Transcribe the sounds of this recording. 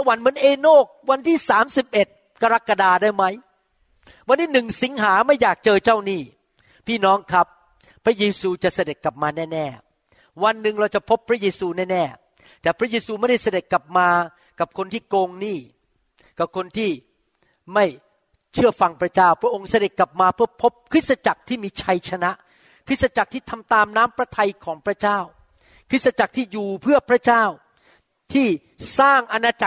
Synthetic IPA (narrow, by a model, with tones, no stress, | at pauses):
sa˧wa˨˦nmɯ˩˦ənʔeː˧noː˥˩k̚wa˧nt̪ʰiː˥˩saː˩˦msi˨˩p̚ʔe˨˩t̪̚ | ka˧ɾa˦˥kːa˧daː˧daː˥˩jma˦˥j | wa˧nt̪iː˥˩nɯ˨˩ŋsi˩˦ŋɦaː˩˦ma˥˩jːaː˨˩k̚t͡ɕɤː˧t͡ɕaː˥˩wniː˥˩ | pʰiː˥˩nɔː˦˥ŋkʰɾa˦˥pʰː | ɾa˦˥jeː˧suː˧t͡ɕa˨˩ʔsa˧de˨˩t̪̚ka˨˩p̚maː˧nɛː˥˩nɛː˥˩ | wa˧nːɯ˨˩ŋɾa˧wt͡ɕa˨˩pʰo˦˥pʰːɾa˦˥jeː˧suː˧nɛː˥˩nɛː˥˩ | t̪ɛː˨˩pʰɾa˦˥jeː˧suː˧ma˥˩jda˥˩jsa˧de˨˩t̪̚ka˨˩p̚maː˧ | ka˨˩p̚kʰo˧nt̪ʰiː˥˩koː˧ŋniː˥˩ | ka˨˩p̚kʰo˧nt̪ʰiː˥˩ | ma˥˩j | t͡ɕʰɯ˥˩ɐfa˧ŋpʰɾa˦˥t͡ɕaː˥˩wpʰɾa˦˥ʔo˧ŋsa˧de˨˩t̪̚kːla˨˩p̚maː˧pʰɯ˥˩ɐpʰːo˦˥p̚kʰɾɯ˦˥t̪̚sa˧t͡ɕa˨˩k̚t̪ʰiː˥˩miː˧t͡ɕʰa˧jt͡ɕʰa˧na˦˥ʔ | kʰɯ˦˥t̪̚sa˧t͡ɕa˨˩k̚t̪ʰiː˥˩t̪ʰa˧mt̪aː˧mnaː˦˥mpɾa˧t̪ʰa˧jkʰɔː˩˦ŋpʰɾa˥t͡ɕaː˥˩w | kʰɾɯ˦˥sa˧t͡ɕa˨˩k̚t̪ʰiː˥˩juː˨˩pʰɯ˥˩ɐpʰɾa˦˥t͡ɕaː˥˩w | t̪ʰiː˥˩ | saː˥˩ŋʔa˧naː˧t͡ɕa˨˩